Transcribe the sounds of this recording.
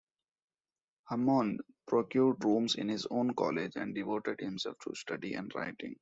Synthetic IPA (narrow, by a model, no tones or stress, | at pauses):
həmɔ̃ːn | pɾokjuːɾɖɾũːmsɪ̰̃nhɪzõːnkɔ̰ːled͡ʒɛ̰̃ɳɖɖɪʋoːʈeɖhɪ̃msɛ̰lfʈʰṵsʈʌɖiʔɛ̰̃ɳɖɾa̰ɪʈɪ̰̃ŋ